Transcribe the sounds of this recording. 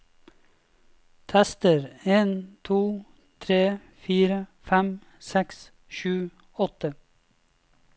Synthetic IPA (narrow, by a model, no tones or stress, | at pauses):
t̪ʰɛst̪əɾeːnt̪ʰuː | t̪ʰɾeː | fiːɾəfɛm | sɛks | ʃʉː | ɔt̪ə